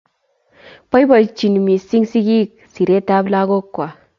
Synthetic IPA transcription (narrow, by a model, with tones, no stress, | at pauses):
pa˦jba˨t͡ʃi˨nmi˨si˦ŋsi˦ɡi˦k̚ | si˨ɾe˦ta˦bla˦ɡo˦kːwa˨